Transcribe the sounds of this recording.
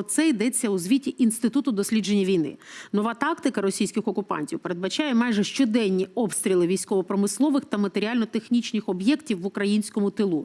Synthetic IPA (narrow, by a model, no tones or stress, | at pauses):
t̪sɛid̪ɛt͡sʲːɐuzʋʲitʲiʔinst̪ɪt̪ut̪ʊd̪ɔsʲlʲid͡ʒenʲːɐʋʲijnɪ̰nɔʋɑt̪ɑkt̪ɪkɐɾɔsʲijsʲkɪxɔkʊpɑ̰nʲtʲiwpe̞ɾe̞d̪̚bɐt͡ʃɑjɛmɑjʒɛʃt͡ʃɔd̪ɛnʲːiɔpst̪ɾʲilˠɪʋʲijsʲkɔʋɔpɾɔmɪslˠɔʋɪxt̪ɐmɐt̪eɾʲiɑlʲnɔt̪exnʲit͡ʃnʲɪxɔbjɛktʲiwːʊkɾɐjinʲsʲkɔmʊt̪ɪlˠu